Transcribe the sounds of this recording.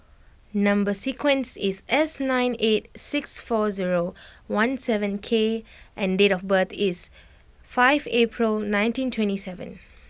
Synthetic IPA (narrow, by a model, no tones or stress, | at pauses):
nʌ̃mbəsikwɛ̃nsisɛsnãɪ̃net̚sɪksfɔziɹowãnsɛvə̃nkʰeʔɛ̃ndeɾɔfbət̪ʰis | faɪvepʰɹilnãɪ̃ntĩntʰwɛ̃ntisɛvə̰̃n